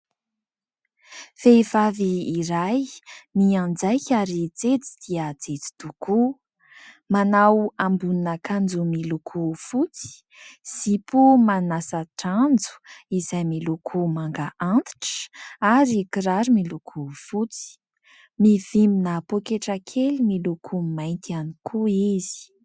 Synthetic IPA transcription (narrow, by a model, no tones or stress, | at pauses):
fejvaviːɾajniãnd͡zajkʲaɾit͡set͡si̥d̪̥iət͡sd͡zet͡si̥d̪̥uku | manawambuninəkand͡zumilukʰufut͡si̥ | z̥ipumanasəʈ͡ʂand͡zu̥izajmilukʰumaŋɡaʔant̪i̥ʈ͡ʂə̥aɾikiɾaɾimilukʰufut͡si̥ | miv̥iminəpokeʈ͡ʂəkʰelimilukʰumajnt̪ianikʰuizi̥